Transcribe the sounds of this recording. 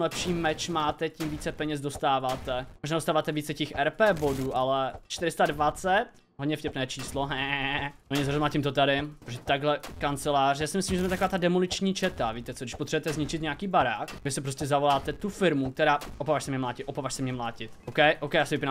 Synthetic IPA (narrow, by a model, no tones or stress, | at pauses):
lɛpʃiːmɛt͡ʃmaːt̪ɛcimviːt͡sɛpɛɲɛzdost̪aːvaːt̪ɛmoʒnaːdost̪aːvaːt̪ɛviːt͡sɛcɛxʔɛɾpɛːbo̞duːʔalɛt͡ʃt̪ɪɾɪst̪advat͡sɛt̪ | ɦodɲɛfcʲɛpnɛːt͡ʃiːsloɦɛoɲɛz̬ɾomlaːcimt̪ot̪adɪɾoʒɛt̪aɡɦlɛkant͡sɛlaːrjaːsɪmɪslimʒɛzmɛt̪akovaːt̪adɛmolɪt͡ʃɲiːt͡ʃɛt̪aviːt̪ɛt͡sodɪʃpot̪r̥ɛbɛt̪ɛzɲɪt͡ʃɪt̪ɲɛakiːbaɾaːkvɪsɛpɾoscɛzavolaːt̪ɛt̪ufɪɾmuk̚t̪ɛɾaːopavaːʃsɛmɲɛmlaːcɪt̪ʔopavaʃsɛmɲɛmlaːcɪt̪ʔokɛjʔowkɛjasɪvɪpinam